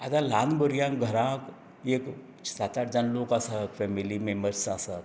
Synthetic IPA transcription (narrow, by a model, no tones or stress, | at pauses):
at̪ãlaːnbəɾjãːkɡʱəɾãk | eːk | sat͡ʃaʈd͡ʒanlokasakfʰɛmilimẽməɾt͡ʃsaːsaɾ